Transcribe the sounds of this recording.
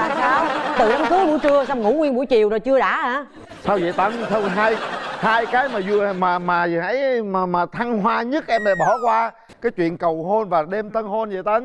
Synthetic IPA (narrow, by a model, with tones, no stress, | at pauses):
aː˨˩saː˧wt̪ɨ˨˩ɗa˨˦mt̪ɨ˨˦ɓu˧˥t͡ɕɨ˧əsa˧wŋ͡mŋṵ˧˥ŋwi˧ənɓṵ˧˥˦jt͡ɕi˨˩əwzo˨˩jt͡ɕɨ˧əɗa̰ː˧˥˩haː˧˩˦ | saː˧wzə̰˧˨jt̪ə˨˦nt̪ʰə˧wɦaː˧jhaː˧jkaː˨˦jmaː˨˩zu˧˩ə˩maː˨˩maː˨˩˨hə˨˦jmaː˨˩maː˨˩t̪ʰa˧ŋɦwaː˧ɲɨ˦˥t̚ʔɛ˧mɗa̰˧˩jɓɔ˧˩kwaː˧ | kaː˨˦jt͡ɕwḭ˧˨ənkə˨˩wɦo˧nvaː˨˩ɗe˧mt̪ə˧nho˧nzə̰˧˨jt̪ə˨˦n